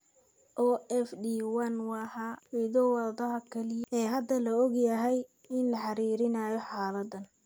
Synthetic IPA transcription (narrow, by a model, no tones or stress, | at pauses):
ʔɔːʔɛfd̪iːwɐnwɑhawɪðɔwɑðɐɦɐkʰɐlɪɛːɦɐd̪ɐlɐɔɡjɐɦɛj | ɪnlɐħɑɾiːɾɪnaːjɔħaːlɐd̪ɐn